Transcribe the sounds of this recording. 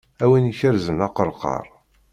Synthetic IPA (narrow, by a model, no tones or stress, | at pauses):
æwiniçəɾzənɑqəɾˤqɑ̰ɾˤ